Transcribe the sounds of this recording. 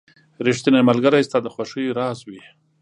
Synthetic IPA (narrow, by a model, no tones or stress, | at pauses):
ɾiʂt̪inamalɡaɾajst̪ɑd̪əxwaʂəjɾɑzwi